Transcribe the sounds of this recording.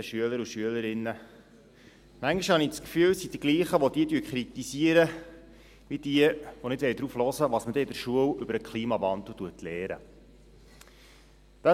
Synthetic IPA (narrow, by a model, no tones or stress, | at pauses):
əʃyələɾuʃyələɾɪnːə | mæŋiʃhɑniskfyːwsid̥iɡliːχəʋɔd̪iətyəkχɾit̪isiəɾə | ʋid̥̪iəʋɔnɪtʋɛld̥̪ɾuːflɔzəʋɑːsməd̪ɛɪdəɾʃuəwʏbəɾəkχliːmɑʋɑnd̪l̩ˠtuətʰlɛːɾə̰ | d̥̪ɑ